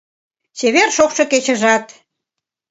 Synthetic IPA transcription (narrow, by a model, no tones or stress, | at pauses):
t͡ɕeβerʃokʃɤ̆ket͡ɕə̆ʒɑt̪